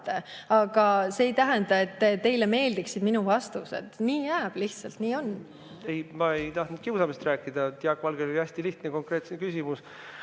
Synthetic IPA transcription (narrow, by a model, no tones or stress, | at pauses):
t̪ːeɑɡ̥ɑseːjt̪æɦænd̪̥ɑe̞t̪ːt̪e̞jleme̞ːld̪iksid̪minuvɑst̪usḛd̪̥niːjæːb̥liht̪sɑlt̪niːo̞n | ejmɑejt̪ɑht̪nud̪̥̚kiwsɑmist̪ræːkːid̪̥ɑt̪jɑkːvɑlɡeloliæsʲt̪iliht̪neko̞ŋkɾe̞ːt̪sekysʲimus